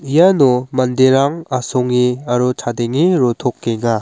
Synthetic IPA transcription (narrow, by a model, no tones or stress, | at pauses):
ijanomɐndeɾaŋasoŋiaɾutʰadeŋːiɾot̪ʰokːeŋa